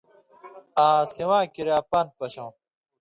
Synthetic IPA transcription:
ãːsiwãːkiɾaːpanpɐɕõː

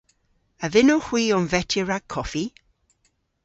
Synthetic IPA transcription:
əvɪnoxw̥iːɔnvɛtʰəɹaɡ̚kʰːɔfi

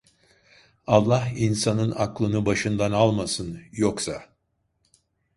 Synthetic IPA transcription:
alˠːaɦinsanɯnaklˠɯnɯbaʃɯnd̪analˠmasɯnjoksa

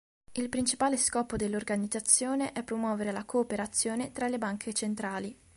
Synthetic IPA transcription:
ilpɾint͡ʃipaːleskɔːpod̪elːorɡanid̪zat̪sːjoːneʔɛpːɾomwɔːveɾelakoːpeɾat̪sːjoːnet̪ɾalebaŋkʰet͡ʃent̪ɾaːli

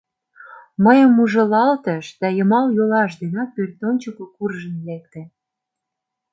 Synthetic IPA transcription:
məjəmuʒə̆lɑlt̪ə̆ʃd̪ɑjə̆mɑljolɑʃd̪enɑpørt̪onʲt͡ɕəkokurʒə̆nlek̚t̪ĕ

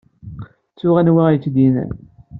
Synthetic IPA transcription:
t͡sːʊʁænwijət͡sːd̪inæ̰n

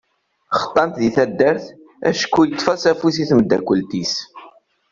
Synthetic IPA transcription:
χə̥t̪ˤːɑnt̪ðiθæd̪ːæɾθ | æ̰ʃə̥kːujət̪ˤːfɑsæfusiθməd̪ːæ̰kʷːəlt̪is

